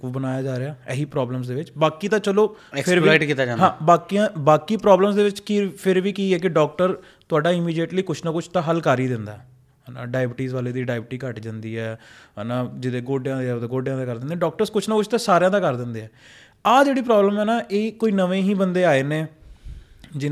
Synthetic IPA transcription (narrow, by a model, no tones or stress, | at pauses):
bənaːjaːd͡ʒaːɾeaːɛɦiːpɾɔːbləms̬d̪eːʋɪt͡ʃbaːkiːt̪ãːt͡ʃəloː | ɛkpʰɪɾiaːʈkiːt̪aːd͡ʒãːɦãːbaːkiãːbaːkiːpɾɔːbləmsd̪eːʋɪt͡ʃkɪpʰɪɾʋiːkiːɛːk̬ɪɖɔːk̚ʈəɾ | t̪ʊaːɖaːɪmiːɖieːʈliːkʊt͡ʃʰnaːkʊt͡ʃʰt̪ãːɦəlkaːɾiːd̪ɪ̃nd̪aːɛː | ɦənã̰ːɖaːɪbɪʈiːzʋaːleːd̪iːɖaːɪbɪʈiːkəʈd͡ʒãːnd̪iːɦɛːɦənaːd͡ʒɪd̪eːɡoːɖjãːd̪ɡoːɖjãːd̪aːkəɾd̪ɪnd̪eːɖɔːk̚ʈəɾskʊt͡ʃʰnaːkʊt͡ʃʰt̪ãːsaːɾejãːd̪aːkəɾd̪ɪ̃nd̪eːɛː | aːd͡ʒeːɽiːp̬ɾɔːbləmɛːnaːʔeːkoːiːnəʋẽːɦĩːbənd̪eːaːeːneː | d͡ʒɪ